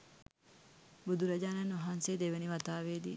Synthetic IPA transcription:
bud̪uɾɐd͡ʒaːnɐnoɦaːnseːd̪eʋeniʋɐt̪aːʋeːd̪ḭː

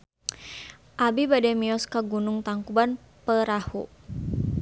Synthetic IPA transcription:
ʔabibadɛmiɔskaɡunuŋt̪aŋkuban | pəɾahṵ

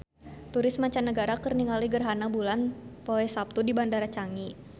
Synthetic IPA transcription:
t̪uɾɪsmaɲt͡ʃanːəɡaɾakərniŋaliɡərɦanabulanpoɛsap̚t̪udibandaɾat͡ʃaŋi

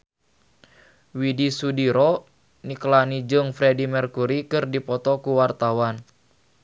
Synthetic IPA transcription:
widisudiɾɔ | niklanid͡ʒɨŋfɾɛdimɛrkuɾikɨrdipɔt̪ɔkuwart̪awan

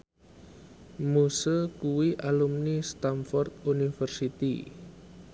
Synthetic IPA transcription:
musəkuwiʔalumnist̪amfɔrt̪̚unifərsit̪ḭ

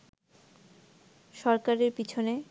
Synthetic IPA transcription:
ʃɔɾkaɾeɾpit͡ɕʰone

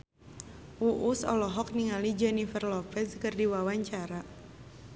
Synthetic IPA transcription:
ʔuʔusɔ̰lɔɦɔk̚niŋalid͡ʒɔnifərlɔpɛskɨrdiwawaɲt͡ʃaɾa

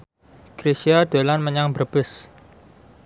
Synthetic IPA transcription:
kɾisiad̪̥olanməɲaŋbərb̥ɪs

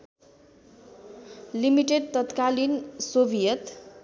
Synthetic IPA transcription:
limiʈeɖ̚t̪ʌt̪kalinsobijʌt̪

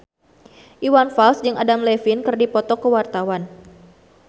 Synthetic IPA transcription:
ʔiwanfalsd͡ʒɨŋʔadamlɛfinkɨrdipɔt̪ɔkəwart̪awan

